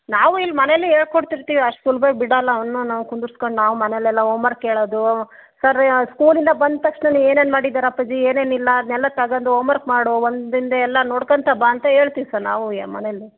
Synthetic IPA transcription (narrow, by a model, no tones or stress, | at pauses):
naːʋuilːmɐnelːieːɭkoɽt̪iɾt̪iːʋiɐʂʈsulubɐjbiɽɐlːɐɐʋɐnːunaːʋkund̪uɾsko̞ɳɖnaːʋumɐnɛlɛlːɐoːmɐɾkːeːɭoːd̪u | sɐɾskuːlind̪ɐbɐnd̪̚t̪ɐkʂɳɐnie̞ːneːnmaːɽid̪aːɾɐpːɐd͡ʒieːneːnilːɐd̪nɛlːɐt̪ɐɡɐnd̪uoːmɐɾkmaːɽoʋondd̪ind̪ɐɛlːɐnoːɽkɐnt̪ʰɐbaːnt̪ɐɦe̞ːɭt̪iːʋisɐɾna̰ːʋumɐ̰nelːi